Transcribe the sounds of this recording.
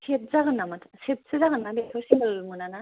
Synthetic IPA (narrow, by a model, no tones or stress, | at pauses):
set̚zaɡɯnːamatʰset̚sɯzaɡɯnːabetʰɔsiŋɯlmunana